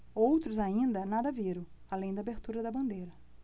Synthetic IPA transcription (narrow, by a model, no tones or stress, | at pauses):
owt̪ɾʊzaĩnd̪ɐnad̪ɐviɾɐ̃w̃alẽj̃d̪ɐaːbeɾt̪uɾɐd̪ɐbɐ̃nd̪ejɾɐ